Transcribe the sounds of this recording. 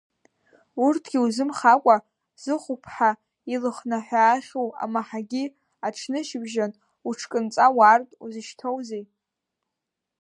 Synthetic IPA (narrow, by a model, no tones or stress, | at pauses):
urtʰɡ̥ʲiuzɨmχakʷʼa | z̥ɨχʷʊpʰħa | ilɨχnaħʷᶣaːχʲowa̰maħaɡʲi | aʈ͡ʂʰnɨʃɪbʒan | uʈ͡ʂʰkʼɨnt͡sʼawartʼuzɨʃtʰowzej